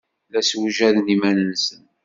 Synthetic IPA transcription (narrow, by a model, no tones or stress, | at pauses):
læswʒæðnimænənsən